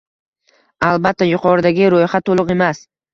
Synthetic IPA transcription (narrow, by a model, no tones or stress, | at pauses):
alˠbat̪ʰːajʊqʰɒɾɪd̪aɡʲɪɾojhat̪ʰːolˠʊqe̞mas